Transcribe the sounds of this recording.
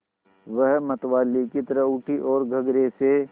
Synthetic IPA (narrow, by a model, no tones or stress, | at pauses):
ʋəɦmɐt̪ʋaːlikit̪əɾəʊʈʰiʔɔːɾɡʱɐɡɾese